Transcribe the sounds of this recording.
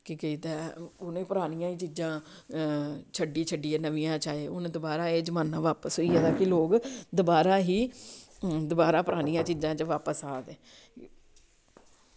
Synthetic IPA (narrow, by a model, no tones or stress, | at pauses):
kikəiːt̪ɛːʊnẽːpʊɾaːnɪjãːiːt͡ʃiːd͡ʒãː | t͡ʃʰəɖiːt͡ʃʰəɖiːɛːnəʋijãːt͡ʃaːeːʊnẽːd̪əbaːɾaːeːd͡ʒəmãːnːãːʋaːpəsɦoiːɛːd̪aːkɪloːkd̪ʊbaːɾaːɦiː | d̪ʊbaːɾaːpəɾaːnɪjãːt͡ʃiːd͡ʒãːt͡ʃəʋaːpəsaːd̪ẽː